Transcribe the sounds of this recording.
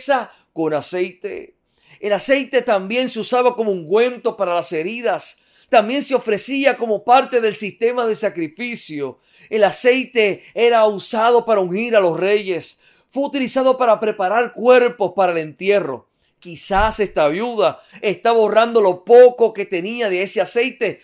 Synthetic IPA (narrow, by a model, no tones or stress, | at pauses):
sa | ko̞nasejt̪ḛ | elase̞jt̪e̞t̪ambje̞nseusaβako̞mouŋɡwẽ̞nt̪o̞paɾalase̞ɾiðas | t̪ambje̞nseo̞fɾe̞siako̞mo̞paɾt̪e̞ðe̞lsist̪e̞maðe̞sakɾifisjo̞ | elase̞jt̪e̞eɾausaðo̞paɾauŋhiɾalo̞sre̞ʝes | fweut̪ilisaðo̞paɾapɾe̞paɾaɾkwe̞ɾpo̞spaɾaele̞nt̪je̞ro̞̰ | kisase̞st̪aːβjuðaest̪aβo̞rand̪o̞lo̞poko̞ke̞t̪e̞niaðeesease̞jt̪e̞